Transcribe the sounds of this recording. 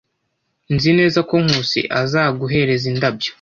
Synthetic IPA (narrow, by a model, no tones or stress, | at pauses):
nzine̞ːzako̞ŋ̥huːsḭʔazaːɡuɦe̞ɾe̞zindabjo̥